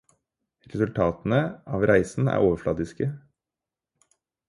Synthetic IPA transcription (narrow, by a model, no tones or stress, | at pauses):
ɾɛsʉlt̪ʰɑːt̪n̩əɑːʋɾʔæɪsn̩æ̰ːɾʔoːʋəflɑd̪ɪskə